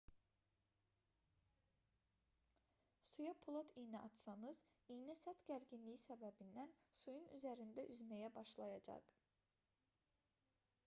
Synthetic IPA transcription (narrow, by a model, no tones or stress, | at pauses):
sujɑpʰulˠot̪ʰijniɑt̪sɑnɯz̥ijnisɑt̪ɟæɾɟinlijisæbæbind̪ænsujunyzæɾind̪æʔyzmæjæbɑʃlˠɑjɑd͡ʒɑ̰q